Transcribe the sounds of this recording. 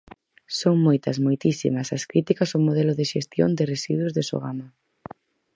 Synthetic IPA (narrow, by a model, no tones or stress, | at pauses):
soŋmojt̪ɐzmojt̪isḭmɐsɐskɾit̪ikɐsomoðɛlʊðɪʃest̪jo̰nd̪ɪresiðwʊzðɪso̰ɣama